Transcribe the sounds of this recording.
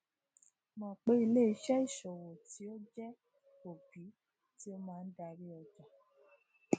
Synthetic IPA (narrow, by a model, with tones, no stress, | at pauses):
mã˨k͡pe˦i˧le˦i˧˦ʃɛ˦i˦˨ʃo˨wo˨ti˨˦o˦d͡ʒɛ˦ | o˨bi˨˦ | ti˦o˦mãː˦˧n̩˦da˧ɾi˦ɔ˧d͡ʒa˨